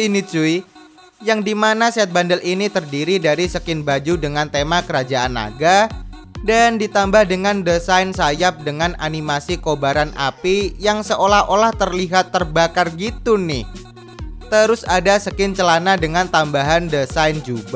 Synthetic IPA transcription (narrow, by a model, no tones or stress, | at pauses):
tinit͡ʃui | jaŋdimanasat̪̚bandəlʔinit̪ərdiɾidaɾisəkɪnbad͡ʒudəŋant̪emakəɾad͡ʒaʔana̰ɡadandit̪ambahdəŋandəsainsajap̚dəŋanʔa̰nimasikobaɾanʔa̰pijaŋsəʔolaholaht̪ərliɦat̪ːərbakarɡit̪unɪh | t̪əɾʊsadasəkɪnt͡ʃəlanadəŋant̪ambaɦandəsajnd͡ʒub